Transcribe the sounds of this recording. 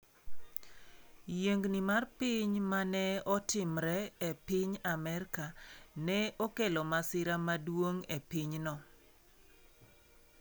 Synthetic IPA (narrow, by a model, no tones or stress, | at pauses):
jeŋɡnimarpɪɲmanɛɔtɪmɾɛepɪɲamɛɾkanɛokelɔmasɪɾamadwoŋepiɲnɔ